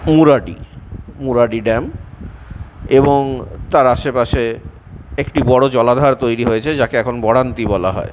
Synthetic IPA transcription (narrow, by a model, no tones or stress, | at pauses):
muɾaɖḭmuɾaɖiɖɛm | eboŋt̪aɾaʃepaʃe | ekʈibɔɽod͡ʑɔlad̪ʱaɾt̪ojɾiɦojet͡ɕʰed͡ʑakeɛkʰonbɔɽant̪ibɔla̰ɦɔ̰e